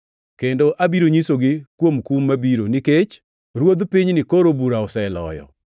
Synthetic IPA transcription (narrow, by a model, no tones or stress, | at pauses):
kendoʔabiɾoɲisoɡɪkwomkumːabiɾonɪket͡ʃ | ɾwod̪piɲnɪkoɾobuɾaɔsɛlɔ̰jɔ̰